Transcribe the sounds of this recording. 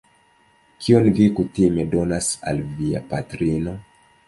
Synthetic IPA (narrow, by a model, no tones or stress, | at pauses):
kʰionvikutime̞do̞nasa̰lvia̰patɾino̞